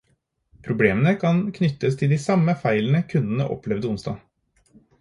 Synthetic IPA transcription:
pʰɾʊbleːmənəkʰɑnkʰnʏt̪ːəst̪ʰɪld̪iːsɑmːəfæɪlən̩əkʰʉnd̪nə̰ʔɔ̰plɛʋd̪əʊnst̪ɑ̰ː

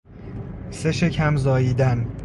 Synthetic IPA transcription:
se̞ʃecʰæmzɒːjiːd̪æn

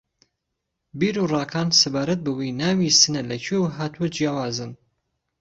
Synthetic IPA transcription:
biːɾurˤɑːkʰaːnsɨbaːɾɐt̪̚bɨwejnaːwiːsɨnɐlɐcʰewɦaːt̪uɐd͡ʒjaːwaːzɨn

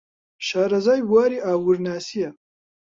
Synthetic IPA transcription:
ʃaːɾɐzaːjbwaːɾiaːwuɾnaːsijɐ

